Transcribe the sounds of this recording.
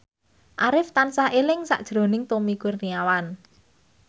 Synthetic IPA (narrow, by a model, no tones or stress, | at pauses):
ʔaɾɪft̪ansaʔelɪŋsa̰ʔd̥ʒ̥ɾo̤nɪŋt̪omikʊrniawan